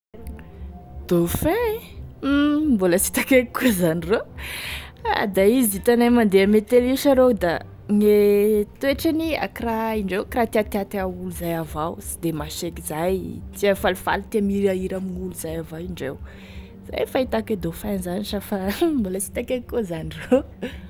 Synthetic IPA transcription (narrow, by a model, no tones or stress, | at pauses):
d̪̥ofe | mboləsi̥t̪akekikuzaniro | a̰d̪aiziit̪anamand̪eamet̪eliʃaɾowd̪a | ŋet̪eʈ͡ʂania̰kiraiɳɖ͡ʐewkɾat̪iat̪iat̪auluzajavawsi̥d̪emaʃekizajt̪iafalifa̰lit̪emiɾiaiɾaminuluzajavawiɳɖ͡ʐew | z̥a̰jfait̪aked̪ofanzaniʈ͡ʂəfamboləsi̥t̪akekkozaniro